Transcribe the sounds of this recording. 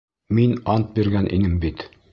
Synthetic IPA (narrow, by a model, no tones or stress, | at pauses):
minɑnt̪̚biɾɡænʔḭnɘmbit̪